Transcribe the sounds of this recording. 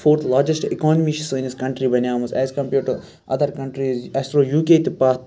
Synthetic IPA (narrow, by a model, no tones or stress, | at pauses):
fʰoːɾt̪ʰlaːd͡ʒesʈikɔːnɐmiʃisoĩniskɐ̃ɳʈɾibɐnjaːmɐsɛːzkɐ̃mpʲeɾʈu | ɐ̰d̪ɐɾkɐ̃ɳʈɾizɛsʈɾoːjuːkeːt̪ipaːt̪